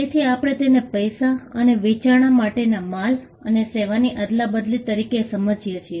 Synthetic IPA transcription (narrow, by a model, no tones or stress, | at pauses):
et̪ʰiapɽ̃et̪enepəjsaəneʋit͡ʃaɽ̃amaʈenamal | əneseʋaniʔəd̪labəd̪lit̪əɾikesəməd͡ʒijet͡ʃʰie